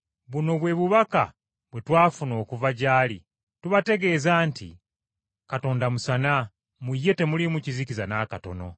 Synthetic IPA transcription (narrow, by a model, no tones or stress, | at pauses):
βuno̞βwe̞βuβaka̰ | βwe̞twaːfuno̞ːkuvaɟaːlḭ | tuβate̞ɡe̞ːzaːntʰḭ | kato̞ːndamusana | mujːe̞te̞mulimucizicizanaːkato̞̰no̞̰